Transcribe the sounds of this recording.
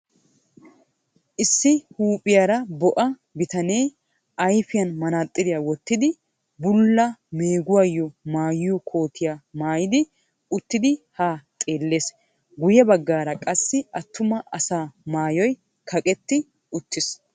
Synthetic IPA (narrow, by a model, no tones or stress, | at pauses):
ʔɪsːɪhuːpʼɪjaɾɐbɔʔɐ | bɪt̪ɐneː | ʔɐjfɪjɐnmɐnaːt̪ʼːɪdɪjawɔt̪ːɪd̪ɪ | bʊlːɐmeːɡʊwajːɔmaːjɪjɔkʰo̞ːt̪ʰɪjamaːjɪd̪ɪ | ʊt̪ːɪd̪ɪhaːt̪ʼe̞ːlːe̞ːs | ɡʊjɛbɐɡːaːɾɐkʼɐsːɪɐt̪ʰːʊmɐʔɐsaːmaːjɔj | kʰɐkʼɛt̪ːɪ | ʊt̪ːɪs